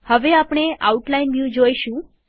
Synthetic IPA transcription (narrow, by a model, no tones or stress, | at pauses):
həʋeapɳ̃ea̰uʈlainʋjud͡ʒoiʃũ